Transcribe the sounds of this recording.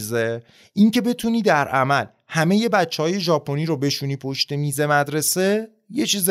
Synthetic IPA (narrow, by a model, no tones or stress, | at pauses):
ze | ʔiŋcʰe̞be̞t̪ʰuːniːd̪æɾæmæl | hæme̞je̞bætt͡ʃʰːehɒːje̞ʒɒːpʰo̞niːɾobe̞ʃuniːpʰo̞ʃt̪emiːze̞mæd̪ɾe̞se̞ | je̞t͡ʃʰiːz